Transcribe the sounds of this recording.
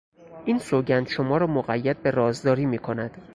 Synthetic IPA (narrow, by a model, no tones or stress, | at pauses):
ʔiːnsoɟænd̪̥ʃomɒːɾɒːmoɣæjːæd̪̚be̞ɾɒːzd̪ɒːɾiːmiːkʰo̞næd̪̥